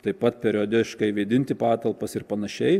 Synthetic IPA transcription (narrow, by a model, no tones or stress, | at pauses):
t̪ɐɪpɐt̪̚pʲɛɾʲɪoːd̪ʲɪʃkɐɪʋʲiːd̪ʲɪnʲt̪ʲɪpɑːt̪ɐlˠpɐsɪɾpɐnɐʃʲɛɪ